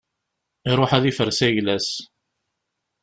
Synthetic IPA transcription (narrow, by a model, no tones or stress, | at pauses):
iɾˤʊħæðifəɾsæjlæs